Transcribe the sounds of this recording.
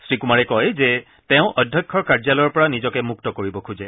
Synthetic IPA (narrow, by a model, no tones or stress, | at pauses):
sɹikumaɹɛkɔjzɛ | tɛʊ̃ʔɔdʱjɔkʰːɔɹkaɹzalɔjɔɹpɔɹanizɔkɛmuk̚tɔkoɹibɔkʰuzɛ